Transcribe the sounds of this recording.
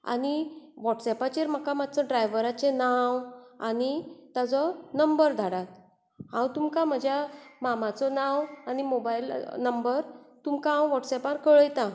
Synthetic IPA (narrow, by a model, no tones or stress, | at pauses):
a̰niʋɔʈsɛpat͡ɕeɾm̤əkãmad̪̚ʱt͡sɔɖɾajʋəɾat͡ɕenawa̰nit̪at͡sɔnəmbəɾd̪ʱaɽat̪̚ | hãwt̪umkãm̤əd͡ʑʱjamamat͡sɔnãwanimobailnəmbəɾt̪umkãɦãwʋɔʈsɛpaɾkəɭəjt̪ã